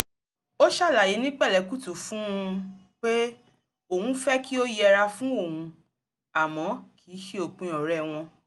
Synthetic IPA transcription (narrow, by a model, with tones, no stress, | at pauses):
o˦ʃa˦˨la˨ji˨˦nĩ˦k͡pɛ˦˨lɛ˨˦ku˦˨tu˨fũ˦˧ | k͡pe˦ | o˦˨hũ˨˦fɛ˦ki˦o˦jɛ˧ɾa˧fũ˦o˦˨hũ˧ | a˨mɔ̃˨˦kʰi˨˦ʃi˦o˨k͡pĩ˧˦ɔ˨ɾɛ˦˨w̃ɔ̃˧